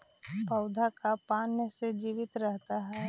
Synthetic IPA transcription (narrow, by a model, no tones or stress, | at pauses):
pəʊd̪ʱakapaːnjəsed͡ʒiːʋɪt̪ɾɛɦt̪aɦɛː